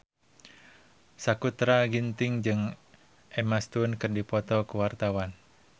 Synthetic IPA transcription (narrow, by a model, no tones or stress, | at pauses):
sakut̪ɾaɡint̪ɪŋd͡ʒɨŋ | ɛmast̪unkɨrdipɔt̪ɔkuwart̪awan